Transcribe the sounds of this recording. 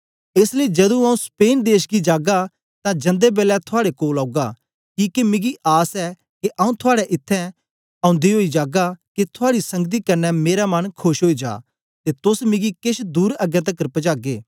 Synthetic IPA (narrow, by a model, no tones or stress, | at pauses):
eːsleid͡ʒɐd̪ũaːũspeːnd̪eːʃɡid͡ʒaːɡa | t̪ãd͡ʒɐ̃nd̪ebeːlɛt̪ʰʊaːɽekoːlaːuɡaː | kiːkemɪ̃ɡiʔaːsɛ | keʔaːũt̪ʰʊaːɽɛʔɪt̪ʰːɛ̃ | ɐ̃ʊ̃nd̪iɦoːid͡ʒaːɡakit̪ʰʊaːɽisɐ̃ŋɡt̪̬ikɐɾnɛmeːɾamɐnkʰʊʃɦoːid͡ʒa̰ː | t̪et̪ʊsmɪ̃ɡikɪʃd̪uːɾɐɡɛ̃t̪̬ɐkɾpd͡ʒaːɡeː